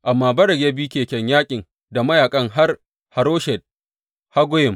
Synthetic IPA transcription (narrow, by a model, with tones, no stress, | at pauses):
ʔa˨mːaː˦bɐ˦ɾɐ˨ɡʲe˦biː˦kʲeː˨kʲɛ˨ɲjaː˦kʲʼɪ˨ŋ | da˨mɐ˦jaː˨kʼɐ˦ŋɦa˦r | ha˨ɾoː˦ʃɛ˨d̚ | ha˦ɡʷʊ˦jɪ˨m